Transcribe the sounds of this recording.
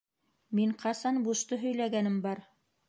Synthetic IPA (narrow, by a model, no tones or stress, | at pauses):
miɴqʰɑsɑnbuʃt̪ɤɦɵ̆jlæɡænɘmbɑɾ